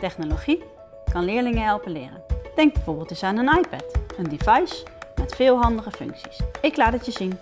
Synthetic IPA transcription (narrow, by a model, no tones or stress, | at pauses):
tɛχnoloχi | kɑnlɪːɹlɪŋəɦɛlˠpənlɪ̰ːrə̰nd̥ɛŋɡ̚bɛjvoːɹbɪːlˠtɪsaːnənɑjpɛ̰təndev̥ɑjsmɛtfɪːlˠɦɑndəχəfɵ̰ŋksi̥sɪklaːtətjəzin